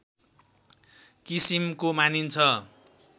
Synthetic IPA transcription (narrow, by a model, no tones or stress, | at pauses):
kisimkomanint͡sʰʌ